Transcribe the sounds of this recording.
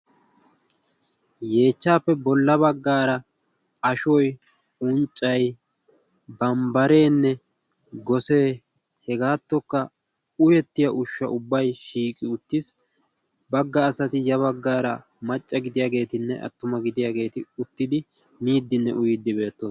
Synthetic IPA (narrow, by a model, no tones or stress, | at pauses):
je̞ːt͡ʃːaːpːɛbɔlːɐbɐɡːaːɾɐ | ɐʃɔj | ʊnt͡ʃʼːɐj | bɐmbɐɾe̞ːnːɛ | ɡɔse̞ː | hɛɡaːt̪ːɔkːɐ | ʊjɛt̪ːɪjɐʔʊʃːɐ̰ʔʊbːɐjʃiːkʼɪʊt̪ːɪs | bɐɡːɐːsɐt̪ɪjɐβɐɡːaːɾɐ̰ | mɐt͡ʃʼːɐɡɪd̪ɪjaːɡe̞ːt̪ɪnːɛ̰ʔɐ̰t̪ːʊmɐɡɪd̪ɪjaːɡe̞ːt̪ɪʊt̪ːɪd̪ɪ | niːd̪ːɪnːɛ̰ʔʊjɪd̪ːɪbe̞ːt̪ːoː